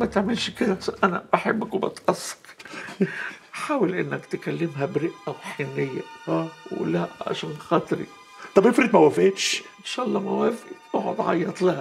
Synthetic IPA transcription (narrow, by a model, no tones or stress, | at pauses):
mæt̪eʕmɪlʃkɪd̪æsnʔænæ̰b̥aħebːakwbɑ̰t̪ʔɑsˤːɑ̥k | ħaːwɪlʔɪnːɪkt̪kælːɪmɦæbɾɪʔʔawħenːɪjːa̰w̰læʕa̰ʃæːnxɑt̪ˤɾḭ | t̪ˤɑbʔɪfɾit̪mæwæfeːt̪ʃʔɪnʃaʔɑlˤːɑmæwæfiʔoʕʊ̰d̪ˤʕɑ̰jːɑt̪ˤlahæ